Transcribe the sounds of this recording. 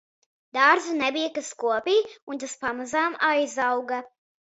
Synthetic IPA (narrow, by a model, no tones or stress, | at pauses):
d̪aːɾd̪zunɛbijakaskuɔpiːunt̪aspamazaːmajzawɡa